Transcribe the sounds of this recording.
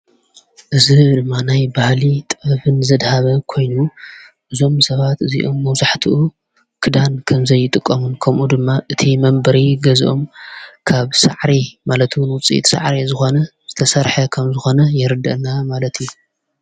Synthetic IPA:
ʔɨzid̪ɨmːanajbahlit̪ʼfɨnzɐd̪haβɐkʰo̞jnuʔɨzo̞msɐβat̪ɨzḭʔomːɐwzaħt̪ʰiʔu | kʰɨd̪ankʰɐmzɐjːɪt̪ʼɨkʼːɐmunkʰɐmʔud̪ɨmːaʔɨt̪ʰimɐmbɐɾiɡɐzʔo̞mkʰaβsa̰ʕɾimalɐt̪wʊnwʊt͡sʼḭt̪ʼsa̰ʕɾizɨxo̞nɐz̥ɨt̪ʰɐsɐɾħɐkʰɐmzɨxo̞nɐjɛɾɨd̪ɐ̰ʔnamalɐt̪ju

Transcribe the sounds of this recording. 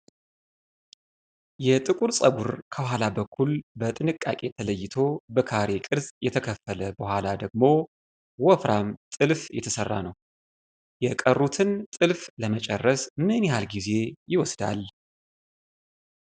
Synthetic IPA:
jɛt̪ʼɨkʼuɾsʼəɡuɾkʰəhalabəkʰːulbət̪ʼɨnɨkʼːa̰kʼe̞t̪ʰələjːɪt̪ʰo̞bəkʰaɾe̞kʼɨɾzjɛt̪ʰəkʰəfːələbəhʷalad̪əɡmo | wɔfɾamt̪ʼɨlfjɛ̰t̪ʰəsərːa̰nəw | jɛkʼərːut̪ʰɨnt̪ʼɨlfləmət͡ʃʼɛrːəsmɨnjɛhalɡize̞jɪwɔsd̪a̰l

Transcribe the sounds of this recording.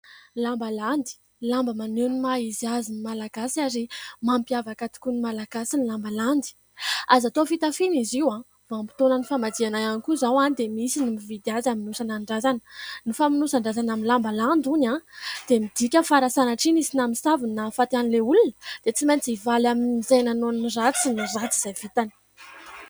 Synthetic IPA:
lambaland̪i̥ | lambəmanenimaiziazinimalaɡasaɾimampiavakat̪i̥kʲunimalaɡasinilambaland̪i̥ | azat̪ofit̪afiniziwã | vampi̥t̪onənifamad͡zianajanikuzawad̪emisinimivid̪iazaminusanaɳɖ͡ʐazanə̥nifaminusaɳɖ͡ʐazanaminlambaland̪unad̪̥emid̪̥ikʲəfaɾasanaʈ͡ʂinisinamisavinafat̪ianileulunə̥d̪̥et͡simajnt͡sivalaminizajnanonnirat͡sinirat͡siz̥ajv̥it̪ani̥

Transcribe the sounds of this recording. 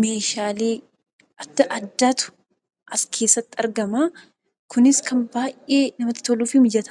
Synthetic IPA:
me̞ːʃaːleː | ʔɐd̪̥ːɐʔɐd̪ːaːt̪ʊ̥ | ʔɐskʰe̞ːsːɐt̪ːɪɐɾɡɐmaː | kʊnɪskɐnbaːjʔʔeːnɐmɐt̪ːɪ̥t̪oluːfɪmɪd͡ʒɐt̪ɐ̥

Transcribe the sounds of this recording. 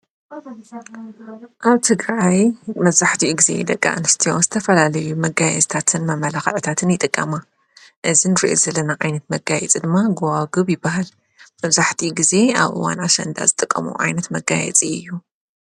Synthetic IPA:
ʔaβt̪ʰɨɡɾajmɐβzaħt̪ʰiɡize̞̰d̪ɐkʼːa̰ʔnɨst̪ʰiomzɨt̪ʰɐfɐlalɐjumɐɡajɛ̰zt̪ʰat̪ʰɨnmɐmɐlaxɐʕt̪ʰat̪ʰɨnjɪt̪ʼɨkʼːɐma | ʔɨzinɨɾḭʔo̰zɐlɐnaʕajnɐt̪mɐɡajɛ̰t͡sʼid̪ɨmːaɡowaɡɨβjɪbːaɦal | mɐβzaħt̪ʰiɡize̞a̰βʔɨ̰wa̰naʃɐ̰nd̪a̰zɨt̪ʼɨkʼːɐ̰mṵʕa̰jnɐt̪mɐɡajɛ̰t͡sʼiɨjːu

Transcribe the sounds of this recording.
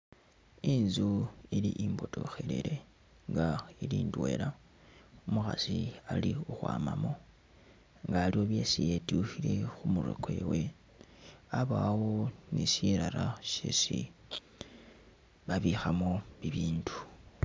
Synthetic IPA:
inzuiliʔimbo̞to̞̰xelḛɾe̞ | ŋɡailiːndwe̞la | omuxa̰sialiuxwa̰ːmamo̞ | ŋɡaːlio̞βje̞sije̞tuxile̞xumuɾḛke̞we̞ | aβaːwonisiɾaɾaʃḛsi | βaβixamo̞βiβiːndu̥

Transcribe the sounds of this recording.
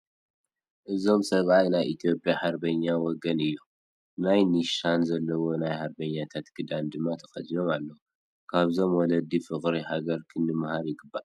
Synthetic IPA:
ʔɨzo̞msɐβʔajnajʔit̪ʰijo̞pʼjaħaɾbɐɲːawɔɡɐnɨjːu | najniʃanzɐlːɐwo̞najħaɾbɐɲːat̪ʰat̪ɡʰɨd̪and̪ɨmːat̪ʰɐ̥xʼɐd̪ilo̞malːɐw | kʰaβzo̞mwɔlɐd̪ifɨχʼɾihaɡɐɾkʰɨnːɨmhaɾjɪɡɨbːa

